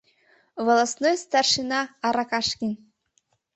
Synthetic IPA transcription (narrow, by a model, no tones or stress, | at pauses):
vŏlˠɑsnojst̪ɑrʂinɑɑɾɑkɑʃkʲinʲ